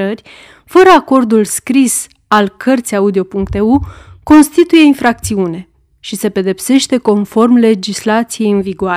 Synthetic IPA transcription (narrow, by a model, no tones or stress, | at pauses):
ərʲ | fəɾəako̞rd̪ulskɾis | alkʰərt̪sʲijaud̪io̞puŋk̚t̪e̞uko̞nst̪it̪uje̞infɾak̚t̪siune̞ | ʃise̞pe̞d̪e̞pse̞ʃt̪e̞ko̞nfo̞rmle̞d͡ʒislat̪sije̞jɨnviɡoa